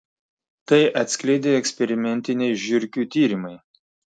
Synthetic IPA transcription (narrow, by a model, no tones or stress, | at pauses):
t̪ɐɪʔɐt̪ʲsʲkʲlʲɛɪd̪ʲeːɛksʲpʲɛɾʲɪmʲɛnʲt̪ʲɪnʲɛɪʒʲʊɾʲkʲuːt̪ʲiːɾʲɪmɐɪ